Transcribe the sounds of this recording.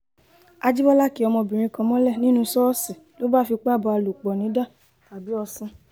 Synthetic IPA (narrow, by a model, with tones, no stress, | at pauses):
a˧d͡ʒi˦bɔ˦la˦˨ki˨˦ɔ˧mɔ̃˧bĩ˨ɾ̃ĩ˧kã˧mɔ̃˦lɛ˦˨nĩ˦nũ˧sɔ˦sĩ˨lo˨˦ba˦˨fi˧k͡pːbɔ˧a˧lu˨k͡pɔ˨nĩ˨˦da˦˨ | ta˨bi˨˦ɔ˧sũ˧